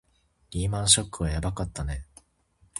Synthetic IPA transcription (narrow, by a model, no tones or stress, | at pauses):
ɾʲiːmãɰ̃ɕo̞kːɯβajabakat̪ːane̞